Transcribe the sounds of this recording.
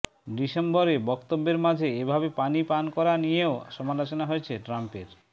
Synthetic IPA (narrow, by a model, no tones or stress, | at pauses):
ɖiʃembɔɾebɔkt̪obːeɾmad͡ʑʱeebʱabepanipankɔɾanijeoʃɔmalot͡ɕonaɦoet͡ɕʰeʈɾampeɾ